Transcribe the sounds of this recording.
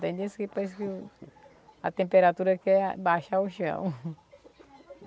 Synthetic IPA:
t̪ẽj̃d̪iskipos̬kɪ | ɐ̰t̪ẽmpeɾat̪uɾɐkɛbaʃauʃɐ̰̃w̃

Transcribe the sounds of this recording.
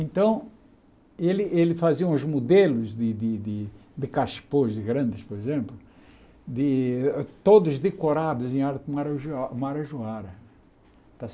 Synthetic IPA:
ẽnt̪ɐ̃w̃ | elɪʔelɪfaziɐ̃ũzmod̪elʊzd̪ɪd̪ɪd̪ɪd̪ɪkaʃi̥pozd̪ɪɡɾɐ̃nd̪ɪspoɾezẽmplʊ | d̪ɪt̪od̪ʊzd̪ekoɾad̪ʊzẽj̃aɾt̪ɪmaɾʒmaɾɐʒuaɾɐ | t̪as

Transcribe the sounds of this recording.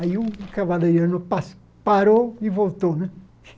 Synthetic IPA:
aiukavalejoɾnʊpas | paɾoivolt̪onɛ̃

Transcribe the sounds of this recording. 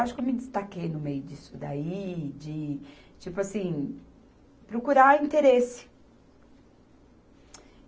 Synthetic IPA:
aʃʊkewmɪd͡ʒɪst̪akejnʊmejʊd͡ʒisʊd̪aid͡ʒɪ | t͡ʃipʊasĩ | pɾokuɾaĩt̪eɾesɪ̥

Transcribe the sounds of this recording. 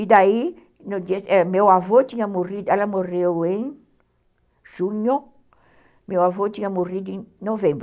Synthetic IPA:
id̪ai | nod̪eɛmewavot̪ĩɲɐmorid̪ɛlɐmorewẽŋ | ʒ̥ũɲo | mewavot̪iɲɐmorid̪ʊẽŋnovẽmbɾ

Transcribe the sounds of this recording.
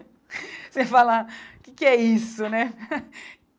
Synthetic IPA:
sefalaʊkɪkɪɛisʊnɛ

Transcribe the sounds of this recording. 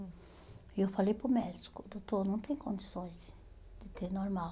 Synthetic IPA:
ewfalejpɾʊmɛd͡ʒi̥kʊd̪owt̪oɾnɐ̃w̃t̪ẽj̃kõnd͡ʒ̪isõj̃z | d̪ɪt̪eɾnoɾmaw

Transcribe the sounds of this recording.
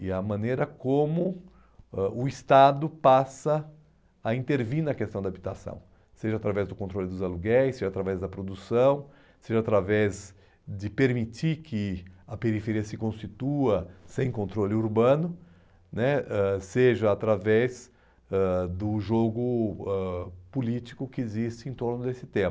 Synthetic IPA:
ɪɐmɐ̃nejɾɐkõmʊ | ɛʔʊist̪ad̪ʊpasɐ | ɐĩnt̪eɾviɾnɐkest̪ɐ̃w̃d̪abit̪asɐ̰̃w̃ | seʒɐat̪ɾavɛzd̪ʊkõnt̪ɾolɪd̪ʊzaluɡɛjseʒat̪ɾavɛzd̪ɐpɾod̪usɐ̃w̃ | seʒɐat̪ɾavɛz | d̪ɪpeɾmit͡ʃikʰɪɐpeɾifeɾiɐsɪkõst͡ʃit̪uɐsẽj̃kõnt̪ɾolɪuɾbɐ̃nʊ | nɛɛseʒɐat̪ɾavɛz | ɛd̪ʊʒoɡʊɛpulit͡ʃi̥kʊkɪezist͡ʃɪẽt̪oɾnʊd̪esɪt̪ẽm

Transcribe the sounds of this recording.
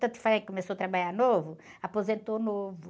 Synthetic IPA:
t̪ɐt̪faẽkomesoɐt̪ɾɐbaʎaɾnovʊ | apozẽnt̪onovʊ

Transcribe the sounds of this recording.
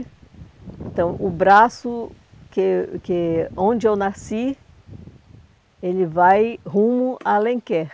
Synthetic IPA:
ẽnt̪ɐ̃w̃ʔʊbɾasʊ | kekɪõd͡ʒɪewnasi | elɪvajɦũmʊalẽkɛ

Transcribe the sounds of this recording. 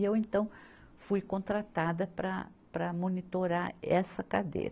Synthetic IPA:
ewẽnt̪ɐ̃w̃ | fujkõnt̪ɾat̪ad̪ɐpɾɐ̰ | pɾɐmonit̪oɾaɾɛsɐkad̪ḛjɾɐ

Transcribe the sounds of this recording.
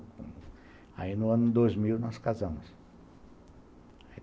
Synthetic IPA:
a̰inʊɐ̃nʊd̪ojzmiwnɔskazɐ̃mʊs | ai

